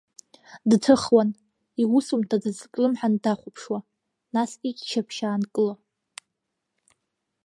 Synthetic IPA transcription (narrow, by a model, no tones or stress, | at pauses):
dtʰɨχwan | iwusumtʰadɨzkʼlɨmħandaχʷʊpʰʂwa | nasikʲʼt͡ʃʰapʰʃaːnkʼɨla